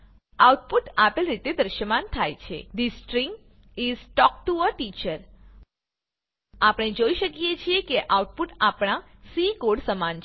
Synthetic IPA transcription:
awʈ̚puʈapelɾit̪ed̪əɾʃəmant̪ʰajt͡ʃʰḛd̪isʈɾĩŋɡ | izʈɔk̚ʈuəʈit͡ʃəɾ | apəɽ̃ed͡ʒoiʃəkijet͡ʃʰiekeʔawʈ̚puʈapɽ̃asikoɖsəmant͡ʃʰ

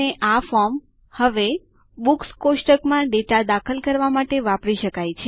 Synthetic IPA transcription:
eʔafɔɾm | həʋe | bukskosʈəkmãɖeʈad̪akʰəlkəɾʋamaʈeʋapɾiʃəkajt͡ʃʰe

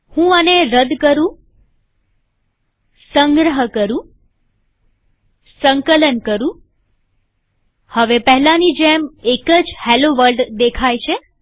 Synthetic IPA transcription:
hũəneɾəd̪kəɾũ | səŋɡɾəɦəkəɾũ | səŋkələnkəɾũ | həʋepəɦlanid͡ʒemekəd͡ʒheloʋəɾɖd̪ekʰajt͡ʃʰe

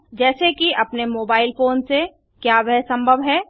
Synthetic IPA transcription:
d͡ʒɛːsekiʔɐpnemoːbaːɪlfoːnse | kjaːʋɛɦsɐ̃mbʱəʋɦɛː

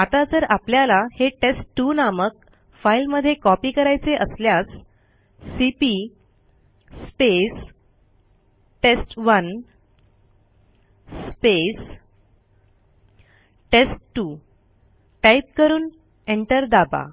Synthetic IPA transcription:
at̪ad͡zəɾapljalaheʈesʈʈːunamək̚ | failməd̪ʱːjekɔpiːkəɾajt͡seʔəsljasː | ipi | pes | ʈesʈʋən | spes | ʈesʈʈːu | ʈaip̚kəɾuːn | eɳʈəɾd̪aba̰

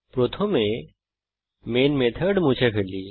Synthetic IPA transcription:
pɾoːt̪ʰomẽ | meːnmeːt̪ʰəɾɖmũːt͡ʃʰepʰeːliː

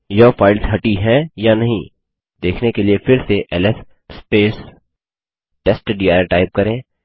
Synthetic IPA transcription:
jɐfaːɪlzɦɐʈiɦɛ̃janɐɦĩ | d̪eːkʰnekeliefɪɾseʔɛlɛf | speːs | ʈɛsʈɖiːaːɾʈaːɪp̚kɐɾẽː

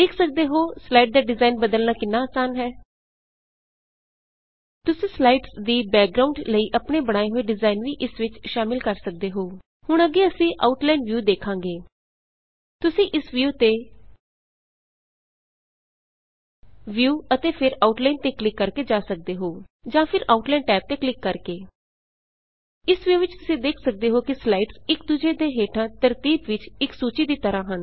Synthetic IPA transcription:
eːkʰsək̚d̪eːɦoːslaːiːʈ̚d̪aːɖɪzaːinbəd̪əlnaːkɪnːaːsaːnɦɛː | t̪ʊsĩːslaːiʈsd̪iːbɛːk̚ɡɾaːʊ̃ɳɖləiːʔəpɳeːbəɽ̃aːeɦoːeɖɪzaːinʋiːʔɪsʋɪt͡ʃʃaːmɪlkəɾsək̚d̪eːɦoː | hʊɽəɡeːəsĩːʔaʊʈlaːinʋjuːd̪eːkʰãːŋɡeː | t̪ʊsĩːʔɪsʋjuːt̪eː | ʋjuːət̪eːpʰɪɾaːuʈlaːint̪eːklɪkːəɾkeːd͡ʒaːsək̚d̪eːɦoːd͡ʒãːpʰɪɾaːuʈlɛːɳʈɛːp̚t̪eːklɪkːəɾkeː | ɪsʋjuːʋɪt͡ʃt̪ʊsĩːd̪eːkʰsək̚d̪eːɦoːkislaːiʈsɪk̚d̪ud͡ʒeːd̪ẽːɦeːʈʰãːt̪əɾt̪iːbʋɪt͡ʃɪksuːt͡ʃiːd̪iːt̪əɾãːɦən

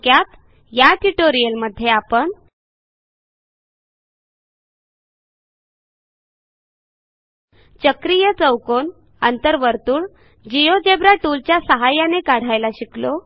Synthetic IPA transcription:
kjat̪ | jaʈiʈoɾijəlməd̪ʱːjeapəɳ | t͡ɕəkɾijət͡səwkon | ə̰nt̪əɾʋəɾt̪uːɭ | d͡ʑijod͡ʑebɾaʈult͡ɕjasəɦajanekaɽ̤ajlaɕiklo

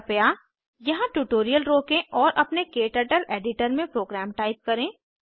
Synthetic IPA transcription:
pja | jɐɦãʈuːʈoːɾijəlɾoːkẽʔɔːɾʔɐpnekeːʈəʈəleːɖɪʈəɾmẽpɾoːɡɾɛːmʈaːɪp̚kɐɾẽː

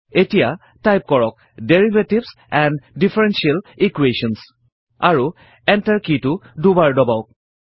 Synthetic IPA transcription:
etija | tajp̚kɔɹɔk̚ | deɹivetibs | ɛndifʰɛɹɛnsialikweʃɔns | aɹu | ɛ̃ntaɹkitudubaɹdɔbaʊk̚

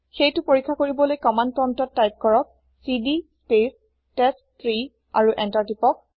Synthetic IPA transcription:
xejtʊpoɹikʰːakoɹibɔlojkɔmantɔntɔtːajp̚kɔɹɔk̚ | sidispes | tɛs | tɹi | a̰ɹuʔɛntaɹtipɔk̚

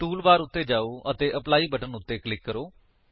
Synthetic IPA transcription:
ʈuːlbaːɾʊt̪ːeːd͡ʒaːoːʔət̪eːʔəplaːiːbəʈənʊt̪ːeːklɪkːəɾoː

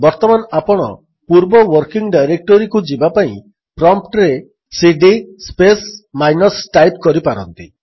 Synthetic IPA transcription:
bɔɾt̪ɔmanapɔɽ̃ɔ | puɾbɔwɔɾkiŋɡɖajɾek̚ʈɔɾikud͡ʒibapaĩ | pɾɔmpʈɾe | siɖispesmajnɔsʈajpkɔɾipaɾɔnt̪i

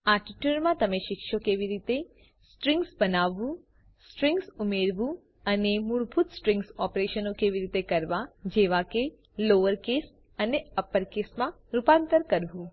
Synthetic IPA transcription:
aʈiʈjuɾmãt̪əmeʃɪkʃokeʋiɾit̪e | sʈɾɪ̃ŋɡsbənaʋːũ | sʈɾɪ̃ŋɡsumeɾʋũ | ənemuɭbʱut̪sʈɾɪ̃ŋɡsɔpɾeʃənokeʋiɾit̪ekəɾʋad͡ʒeʋake | loʋəɾkes | əneəpəɾkesmã | ɾupãnt̪əɾkəɾʋũ

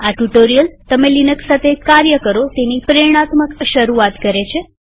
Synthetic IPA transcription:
aʈuʈoɾijəlt̪əmelinəksat̪ʰekaɾjəkəɾot̪enipəɾeɾɽ̃at̪məkʃəɾuat̪kəɾet͡ʃʰe

